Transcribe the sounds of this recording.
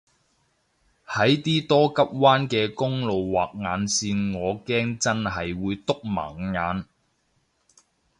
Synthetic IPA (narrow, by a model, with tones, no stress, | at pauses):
hɐ˨˥jt̪iː˥t̪ɔː˥kɐ˥p̚waː˥nkɛː˧kʊ˥ŋlo˨wːaː˨˩k̚ŋaː˨˧nsiː˧nŋɔː˨˧kɛː˥ŋt͡sɐ˥nhɐ˨jwuː˨˧jt̪ʊ˥k̚mɐ̰˨˩ŋŋaː˨˧n